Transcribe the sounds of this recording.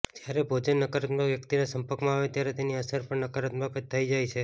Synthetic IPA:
d͡ʒjaɾebʱod͡ʒənːəkəɾət̪məʋjəkt̪inasəmpəɾkmãaʋet̪jaɾet̪eniəsəɾpəɳnəkəɾət̪məkət͡ʃt̪ʰəid͡ʒajt͡ʃʰe

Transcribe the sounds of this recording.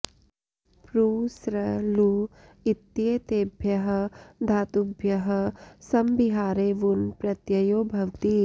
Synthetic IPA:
pɾuːsɾɐluː | it̪jeːt̪eːbʱjɐɦɐ̆d̪ʱaːt̪ubʱjɐɦɐ̆sɐmbiɦaːɾeːʋunpɾɐt̪jɐjoːbʱɐʋt̪i

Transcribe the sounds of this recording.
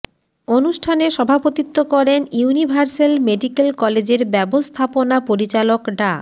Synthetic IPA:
onuʃʈʰaneʃɔbʱapot̪it̪ːokɔɾenjunibʱaɾselmeɖikelkɔled͡ʑeɾbɛbost̪ʰaponapoɾit͡ɕalokɖa

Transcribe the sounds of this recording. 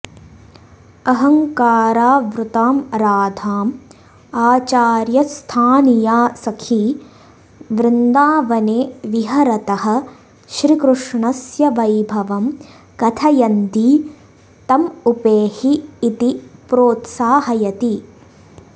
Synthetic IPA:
ɐɦɐŋkaːɾaːʋɾut̪aːmɾaːd̪ʱaːm | aːt͡ʃaːɾjɐst̪ʰaːnijaːsɐkʰi | ʋɾɪnd̪aːʋɐneːʋiɦɐɾɐt̪ɐɦɐ̆ | ʃɾikɾuʂɳɐsjɐʋɐjbʱɐʋɐm | kɐt̪ʰɐjɐnd̪i | t̪ɐmupeːhiːt̪ipɾoːt̪saːɦɐjɐt̪i

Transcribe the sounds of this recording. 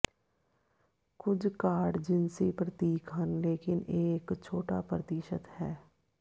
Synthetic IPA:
kʊd͡ʒkaːɽd͡ʒɪnsipɾət̪iːkɦənleːkɪnʔeːkt͡ʃʰoːʈa̰pɾət̪iːʃət̪hɛː

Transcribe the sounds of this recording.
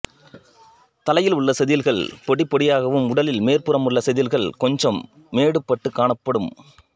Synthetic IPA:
t̪ɐlɐjɪlʊɭːɐsɛðɪlɣɐɭpɔɽɪpːɔɽɪjaːɣɐʋɯmʊɽɐlɪlmeːrpɯɾɐmʊɭːɐsɛðɪlɣɐɭkɔɲd͡ʒɐmː | eːɽɯpːɐʈːɯkːaːɳɐpːɐɽɯm

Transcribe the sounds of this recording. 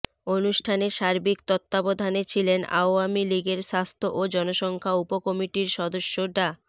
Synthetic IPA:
onuʃʈʰaneʃaɾbikt̪ɔt̪ːabod̪ʱanet͡ɕʰilena̰oamiliɡeɾʃast̪ʰoʔod͡ʑɔnoʃɔŋkʰaupokɔmiʈiɾʃɔd̪oʃːoɖa

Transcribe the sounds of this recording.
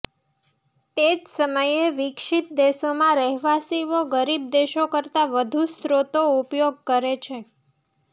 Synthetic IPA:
t̪ed͡ʒsəməjeʋɪkʃit̪̚d̪esomãɾəɦʋasiʋoɡəɾib̚d̪eʃokəɾt̪aʋəd̪ʱust̪ɾot̪oupjoɡ̚kəɾet͡ʃʰe

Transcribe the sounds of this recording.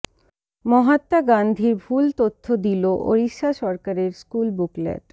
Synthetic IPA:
mɔɦat̪ːaɡand̪ʱiɾbʱult̪ot̪ʰːod̪iloʔo̰ɾiʃːaʃɔɾkaɾeɾskulbuklḛʈ

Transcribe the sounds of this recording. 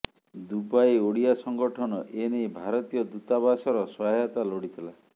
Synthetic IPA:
d̪ubajoɽiasɔŋɡɔʈʰɔnɔʔenejbʱaɾɔt̪ijɔd̪ut̪abasɔɾɔsɔɦajat̪aloɽit̪ʰila

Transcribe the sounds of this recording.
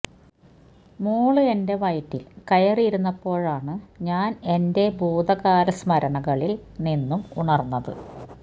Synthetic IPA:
muːɭɨe̞nde̞ʋɐjtːilkɐjɐriiɾunːɐpːo̞ːɻaːɳɨɲaːne̞nde̞bʱuːd̪ɐɣaːɾɐsmɐɾɐɳɐɣɐɭilninːumuɳɐrnːɐðɨ̰

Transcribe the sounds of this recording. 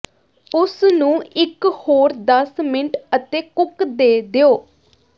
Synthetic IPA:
ʊsnũːɪkhoːɾd̪əsmɪnəʈət̪eːkʊkd̪eːd̪eːoː

